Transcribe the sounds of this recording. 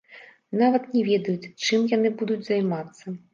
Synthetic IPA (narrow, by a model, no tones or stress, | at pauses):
navɐt̪nʲɛvʲɛd̪ɐjut͡sʲt͡ʂɨmjanɨbud̪ud͡zʲzajmat̪sːɐ